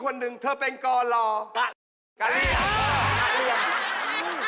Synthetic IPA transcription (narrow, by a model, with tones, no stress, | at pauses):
kʰo˧nːɯ˨˩ŋt̪ʰəː˧˩pe˧nkɔː˧lɔː˧˩˧ | ka˧˩li˧˩˨